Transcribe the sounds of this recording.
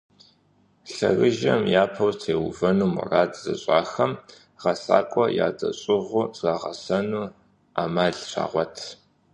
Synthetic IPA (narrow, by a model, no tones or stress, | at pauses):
ɬɐ̰rɨʒɐmjaːpʰɐwtʰeːwʊvɐnuːmʊ̰raːdʰʼzɐɕʼaːxɐm | ʁɐsa̰ːkʷʼɔjaːdɐɕʼɪʁʷʊzʼaʁɐsɐnuː | aːmaːɮɕʷa̰ːʁʷɔtʰ